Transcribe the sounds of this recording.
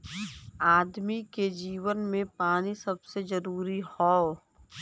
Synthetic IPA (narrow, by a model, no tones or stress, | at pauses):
aːd̪miked͡ʒiːʋənmẽpaːnisɐbsezɐɾuːɾihɔː